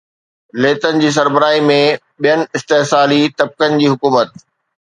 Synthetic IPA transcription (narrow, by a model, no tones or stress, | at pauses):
leːt̪ənɪ̆d͡ʑiːs̬ɐɾbəɾaːimẽ | ɓijənɪ̆ɪst̪eɦsaːlit̪ɐb̚kənɪ̆d͡ʑiːɦʊkuːmət̪̚